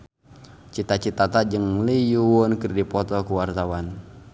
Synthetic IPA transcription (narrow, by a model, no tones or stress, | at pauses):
t͡ʃit̪at͡ʃit̪at̪ad͡ʒɨŋlijuwɔnkɨrdipɔt̪ɔkuwart̪awan